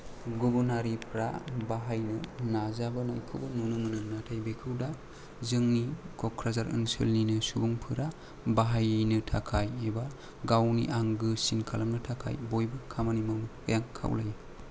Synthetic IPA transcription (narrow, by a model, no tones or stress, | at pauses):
ɡubunaɾipʰɾabaɦajnɯnazabɯnajkʰɯbɯnunɯmɯnɯnatʰajbekʰɯwda | zɯŋnikʰɔkʰɾazaɾɯ̰nsɯ̰lninɯsubuŋpʰɯɾa | baɦajnɯtʰakʰajeba | ɡawnḭʔaŋɡɯsinkʰalamnɯtʰakʰa̰jbojbɯkʰamanimawnɯt̚ɯjaŋkʰa̰wlaja